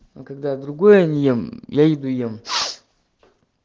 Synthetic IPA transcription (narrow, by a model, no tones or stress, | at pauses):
okɐɡ̚d̪ad̪ɾʊɡojənʲjemjajɪd̪ujem